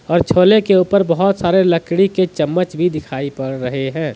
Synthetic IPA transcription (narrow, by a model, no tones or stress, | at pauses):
ɔːɾt͡ʃʰoːlekeuːpəɾbəɦʊt̪saːɾeləkɽiket͡ʃəmːət͡ʃbʱid̪ɪkʰaːipɐɽɾəɦeɦɛ̃ː